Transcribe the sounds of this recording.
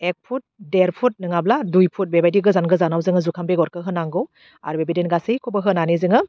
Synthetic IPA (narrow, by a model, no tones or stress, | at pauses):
ek̚pʰut̚deɾpʰut̚nɯŋabladujpʰut̚bebajdiɡɯzanɡɯzanawzɯŋɯzukʰambeɡɔɾkʰɯɦɯnaŋɡɯw | a̰ɾbebedenɡasɯjkʰɔbɯɦɯnanezɯŋɯ